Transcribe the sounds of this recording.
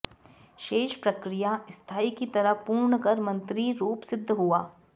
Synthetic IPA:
ʃeːʃpɾɐkɾijaɪst̪ʰaːikit̪ɐɾəɦpuːɾɳəkɐɾmɐ̃nt̪ɾiɾuːpsɪd̪ʱːɦuaː

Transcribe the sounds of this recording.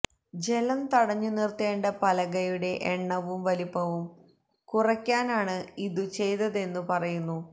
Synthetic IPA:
d͡ʑe̞lɐmt̪ɐɽɐɲːunirt̪eːɳɖɐpɐlɐɣɐjuɽe̞ʔeɳːɐʋumʋɐlipːɐʋum | kurɐkʲːaːnaːɳɨiðɨt͡ɕe̞jt̪ɐðe̞nːupɐrɐjunːu

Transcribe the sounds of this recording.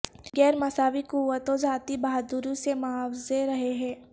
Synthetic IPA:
ɡɛːɾmɐsaːʋikuʋət̪õd͡ʒaːt̪ibaːɦd̪uɾĩsemaːʋzeɾɐɦeɦɛ̃ː

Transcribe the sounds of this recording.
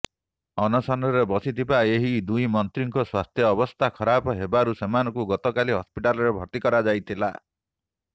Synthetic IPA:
ɔnɔsɔnɔɾebɔsit̪ʰibaeɦid̪ujmɔnt̪ɾiŋkɔswast̪ʰjɔːbɔst̪ʰakʰɔɾapɔɦebaɾusemanɔkuɡɔt̪ɔkaliɦɔspiʈalɔɾebʱɔɾt̪ikɔɾad͡ʒajt̪ʰila̰

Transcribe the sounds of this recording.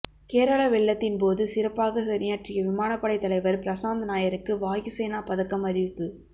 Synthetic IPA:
keːɾɐɭɐʋɛɭːɐt̪ːɪnp̬oːðɯsɪɾɐpːaːɣɐsɐɾɪjaːʈrɪjɐʋɪmaːnɐpːɐɽɐɪt̪ːɐlɐɪʋɐɾpɪɾɐsaːnd̪ɐnaːjɐɾɯkːɯʋaːjɯseːnaːpɐðɐkːɐmɐðɪʋɪpːɯ

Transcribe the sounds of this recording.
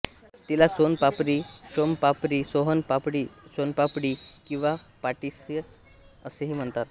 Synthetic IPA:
t̪ilasonpapɾiːɕompapɾiːsoɦənpapɽiːsonpapɽiːkĩw̃ʋa | paʈise | əseɦiːm̤əɳt̪at̪

